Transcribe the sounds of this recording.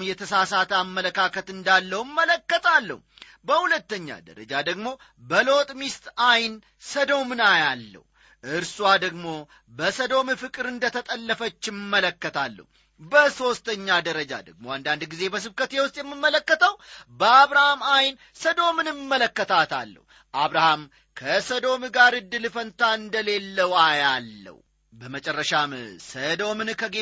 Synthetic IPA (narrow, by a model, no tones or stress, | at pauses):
mjɛt̪ʰəsasat̪ʰamːələkʰakʰət̪ɨnd̪alːəwɨmːələkːət̪ʰalːə̰hu | bəhulət̪ːəɲːa̰d̪ə̰ɾə̰d͡ʒad̪əɡmo̞ | bəlo̞t̪ʼmist̪ajn | səd̪o̞mɨnajalːə̰h | ʔɨɾsuad̪əɡmo̞ | bəsəd̪o̞mɨfɨkʼɨɾɨnd̪ət̪ʰət̪ʼəlːəfət͡ʃːɪmːələkːət̪ʰalːə̰hu | bəso̞st̪ʰəɲːad̪əɾəd͡ʒa̰d̪əɡmo̞and̪and̪ɡize̞bəs̬ɨβkət̪jewʊst̪ʼjɛmːɨmːələkːət̪ʰəwbəaβɾahamajn | səd̪o̞mɨnɨmːələkːət̪ʰat̪ʰalːə̰h | ʔaβɾaham | kʰəsəd̪o̞mɡaɾɨd̪ːɨlɨfənt̪ʰaɨnd̪əle̞lːəwajalːə̰w | bəmət͡ʃʼɛrːəʃamsəd̪o̞mɨnkʰəɡe